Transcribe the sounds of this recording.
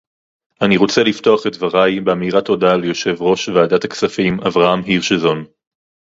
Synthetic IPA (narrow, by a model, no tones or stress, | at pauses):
ʔaniʁo̞t͡selifto̞aχe̞tvaʁajbeamiʁatʰo̞dalejo̞ʃe̞vʁo̞ʃveaːdataksafimavʁaamɦiʁʃezo̞n